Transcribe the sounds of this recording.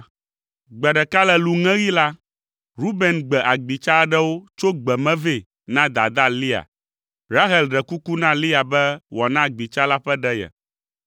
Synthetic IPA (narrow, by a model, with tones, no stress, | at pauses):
ɡ͡bɛ˨ɖɛ˨ka˦lɛ˨lu˨ŋɛ̃˦ɣi˦la˦ | ɾu˦be˨nɡ͡bɛ˨ʔa˨ɡ͡bi˨t͡ʃa˦ɖɛ˦wo˦t͡ʃo˦ɡ͡bɛ˨mɛ̃˦ve˦˨ | nã˦d̪a̰˨d̪a˦li˦a̰˨ | ɾa˦ɦɛ˨lɖɛ˨ku˦ku˦nã˦li˦a˨bɛ˦wɔ˨nã˦˨ɡ͡bi˨t͡ʃa˦la˦ɸɛ˦ɖɛ˦jɛ̰˨